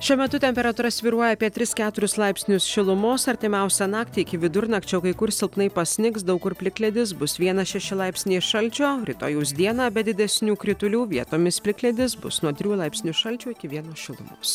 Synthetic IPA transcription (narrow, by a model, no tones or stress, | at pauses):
ʃʲuɔmʲɛt̪ʊt̪ʲɛmʲpʲɛɾɐt̪uːɾɐsʲʋʲiːɾuɔjɛɑːpʲiɛt̪ʲɾʲɪskʲæːt̪ʊɾʲʊslˠɐɪpʲsʲnʲʊsʃʲɪlˠʊmoːsɐɾʲt̪ʲɪmʲɛʊsʲɛnɑːkt̪ʲiːɪkʲɪʋʲɪd̪ʊɾnɐkt͡ʃʲɛʊkɐɪkʊɾsʲɪlˠpnɐɪpɐsʲnʲɪksd̪ɐʊkʊɾpʲlʲɪklʲɛd̪ʲɪs̬bʊsʋʲiɛnɐʃʲɛʃʲɪlˠɑɪpʲsʲnʲeːʃɐlʲt͡ʃʲoːɾʲɪt̪o̰ːjuːsd̪ʲiɛnɑːbʲɛd̪ʲɪd̪ʲɛsʲnʲuːkɾʲɪt̪ʊlʲuːʋʲiɛt̪oːmʲɪspʲlʲɪklʲɛd̪ʲɪs̬bʊ̰snuɔt̪ʲɾʲuːlˠɐɪpʲsʲnʲʊʃɐlʲt͡ʃʲuːɪkʲɪʋʲiɛnoːʃʲɪlˠʊ̰mo̰ːs